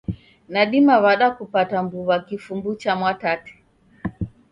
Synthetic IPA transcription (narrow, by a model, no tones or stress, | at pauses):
naɗimaβaɗakupatambuβakifumbut͡ʃamwatati̥